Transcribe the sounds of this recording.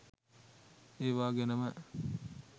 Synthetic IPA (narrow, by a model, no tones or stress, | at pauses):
eːʋaːɡenəmə